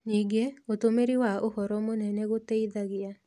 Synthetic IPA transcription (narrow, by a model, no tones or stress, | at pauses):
niɡeot̪omeɾiwaʔohɔɾɔmonɛnɛɣot̪eid̪aɡɪja